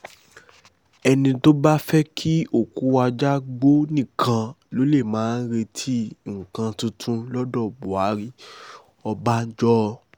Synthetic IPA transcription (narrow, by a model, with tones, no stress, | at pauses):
ɛ˧nĩ˧to˦ba˦fɛ˦kʰi˦o˦˨ku˨˦wa˧d͡ʒa˦ɡ͡bo˦nĩ˦˨kʰã˧ | lo˨˦le˦˨mãː˨˦n̩˦ɾe˧tʰi˦˨ŋ̩˨kã˧tũ˧tʰũ˧lɔ˦dɔ˦˨bo˨a˨˦ɾi˦ | ɔ˧ba˦d͡ʒɔ˦˧